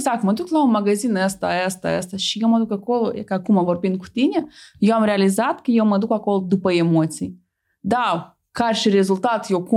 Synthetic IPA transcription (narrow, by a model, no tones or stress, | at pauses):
zakt̪məd̪uklaunmaɡazinəst̪a̰əst̪a̰əst̪aʃijewməd̪ukako̞lokəakumavo̞rbind̪̚ku̥t̪inʲejewamɾealizat̪kəjewməd̪ukako̞lod̪upəe̞mo̞t̪sij | d̪a | karʲʃiɾe̞zult̪at̪jewku